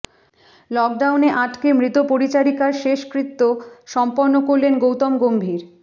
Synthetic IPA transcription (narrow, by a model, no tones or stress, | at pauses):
lɔk̚ɖawneʔaʈkemɾit̪opoɾit͡ɕaɾikaɾʃeʃkɾit̪ːoʃɔmponːokoɾlenɡowt̪ɔmɡombʱiɾ